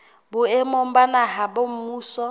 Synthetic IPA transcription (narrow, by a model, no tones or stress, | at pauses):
bʊɛmɔm̩banaɦabom̩muːsɔ